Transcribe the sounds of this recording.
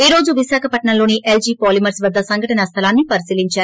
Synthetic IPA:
eːɾo̞ːd͡ʒuʋisaːkʰɐpɐʈɳɐloːniʔeld͡ʒiːpoːlimɐɾsʋɐd̪ʱːɐsɐŋɡʱɐʈɐnɐst̪ʰɐlaːnːipɐɾisiːliɲt͡ʃaːɾu

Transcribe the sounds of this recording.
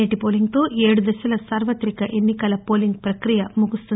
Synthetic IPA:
eʈipoːliŋɡt̪o̞ːʔeːɽud̪ɐʃɐlɐsaːɾʋɐt̪ɾikɐʔe̞nːikɐlɐpo̞ːliŋɡ̚pɾɐkɾijɐmuɡust̪u

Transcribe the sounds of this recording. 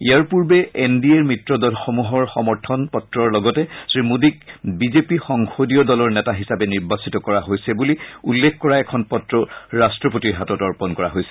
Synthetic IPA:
ijaɹpuɹbɛendieɹmɹitɹɔdɔlxomuɦɔɹxɔmɔɹtʰɔnpɔtɹɔɹlɔɡɔtɛsɹimudik̚bizepixɔŋxodiɔdɔlɔɹnɛtaɦisabɛniɹbasitɔkɔɹaɦojsɛbuliulːekʰkɔɹaɛkʰɔnpɔtɹɔɹastɹɔpotiɹɦatɔtɔɹpɔnkɔɹa̰ɦojsɛ̥

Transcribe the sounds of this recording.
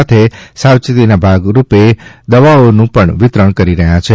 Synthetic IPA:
at̪ʰesawt͡ʃt̪inabʱaɡɾuped̪əʋaonũpəɳʋɪt̪ɾəɳkəɾiɾəɦjãt͡ʃʰe

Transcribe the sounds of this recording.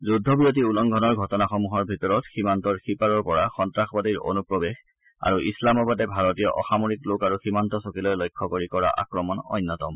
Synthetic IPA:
zudʱːɔbijotiulɔŋɡʱɔnɔɹɡʱɔtɔnaxɔmuɦɔɹbʱitɔɹɔtximantɔɹxipaɹɔɹpɔɹaxɔntɹaxbadiɹo̰nupɹɔbex | a̰ɹuʔislamɔbadɛbʱaɹɔtijɔʔɔxamoɹiklokaɹuximantɔsokilɔjlɔjkʰːɔkoɹikɔɹa̰ʔa̰kɹɔmɔnɔ̰jnːɔtɔm

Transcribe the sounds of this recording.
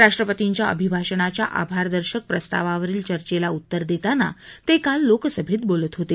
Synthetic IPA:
ɾaʂʈɾəpət̪iɲt͡ɕjaʔə̰bʱibʱaɕəɳat͡ɕja̰ʔa̰bʱaɾd̪əɾɕək̚pɾəst̪a̰ʋaʋəɾiːlt͡ɕəɾt͡ɕelaut̪ːəɾd̪et̪ana̰t̪ekalːokəsəbʱiːt̪̚bolət̪ɦot̪e

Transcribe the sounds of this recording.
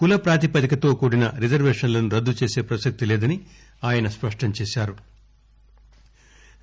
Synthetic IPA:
kulɐpɾaːt̪ipɐd̪ikɐt̪o̞ːkuːɽinɐɾid͡ʒɐɾʋeːʂɐnlɐnuɾɐd̪ːut͡ʃe̞ːse̞ːpɾɐsɐk̚t̪ileːd̪ɐni | aːjɐnɐspɐʂʈɐmt͡ʃeːʃaːɾu

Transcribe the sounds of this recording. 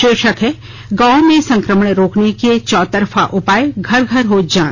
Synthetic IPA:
ʃeːʃəkɦɛ | ɡãːmẽsɐ̃ŋkɾəməɳɾoːkneket͡ʃɔːt̪əɾfʰa̰ʔʊpaːeɡʱɐɾɡʱəɾɦoːd͡ʒãː

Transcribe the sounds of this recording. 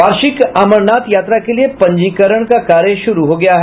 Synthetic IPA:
ʋaːɾʃɪkaːməɾnaːt̪jaːt̪ɾakeliepɐ̃ɲd͡ʒiːkəɾəɳ̃kakaːɾjəʃʊɾuɦoɡɐjaɦɛ

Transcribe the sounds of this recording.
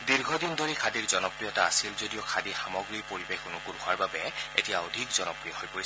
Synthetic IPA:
diɹɡʱɔdindʱoɹikʰadiɹzɔnɔpɹijɔtaasilzodijɔkʰadixamɔɡɹipoɹibekʰonukunʊaɹbabɛḛtijaodʱikzɔnɔpɹijɔhojpoɹis

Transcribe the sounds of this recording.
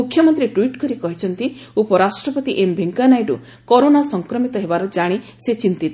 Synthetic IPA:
ukʰːjɔmɔnt̪ɾiʈwiʈkɔɾikɔɦit͡ʃʰɔnt̪i | upɔɾasʈɾɔpɔt̪iʔembʱeŋkanajɖṵ | kɔɾonasɔŋkɾɔmit̪ɔɦebaɾɔd͡ʒaɽ̃iset͡ʃint̪it̪

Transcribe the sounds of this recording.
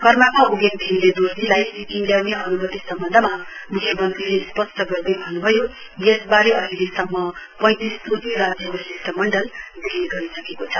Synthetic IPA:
kʌrmakauɡend̪ʱinled̪urdilajikiŋljawneɦʌnumʌt̪isʌmbʌnd̪ʱʌmamukʰjʌmʌnt̪rilespʌsʈʰʌɡʌrd̪ebʱʌnubʱʌjo | jesbaɾeʌɦilesʌmːʌpʌj̃t̪isd̪ud̪miɾad͡zjʌkosisʈʌmːʌɳɖʌld̪iɡiɡʌɾisʌkekot͡sʰʌ

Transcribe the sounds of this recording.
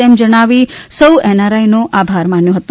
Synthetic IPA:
emd͡ʒəɽ̃aʋisəwenaɾainoʔabʱaɾmanjõɦət̪o

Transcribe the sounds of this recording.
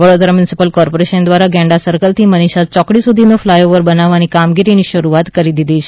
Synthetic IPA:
ʋəɽod̪ɾamjunisipəlkɔɾpoɾeʃənd̪ʋaɾaɡɛ̃ɳɖasəɾkəlt̪ʰiməniʃat͡ʃɔkɽisud̪ʱinoflajoʋəɾbənaʋːanikamɡiɾiniʃəɾuat̪kəɾid̪id̪ʱit͡ʃʰe

